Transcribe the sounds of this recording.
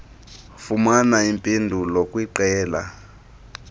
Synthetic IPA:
fumanaimpʼindʱulokʼwiǃɛːla̰

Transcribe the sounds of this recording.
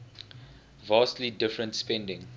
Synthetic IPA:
vaːstlidɪfɹə̃ntspɛ̃ndɪ̃ŋ

